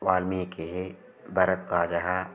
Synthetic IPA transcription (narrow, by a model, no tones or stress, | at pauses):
waːlmiekeɦe | bɐɾət̪̚kaːd͡ʒaɦa